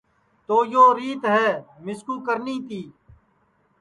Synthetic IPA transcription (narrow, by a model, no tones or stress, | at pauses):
t̪oːjoːɾiːt̪ɦɛːmɪskuːkəɾniːt̪iː